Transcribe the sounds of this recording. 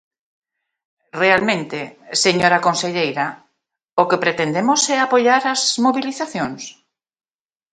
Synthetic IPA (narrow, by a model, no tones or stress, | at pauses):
realmẽnt̪eseɲoɾakonseʎejɾa | okepɾet̪end̪emosɛapoʎaɾazmoβiliθaθjõŋs